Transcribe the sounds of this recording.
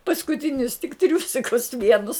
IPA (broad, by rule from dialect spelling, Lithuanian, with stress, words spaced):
pɐskʊˈtʲɪnʲʊs tʲɪk ˈtʲrʲuːsʲɪkʊs ˈʋʲiɛnʊs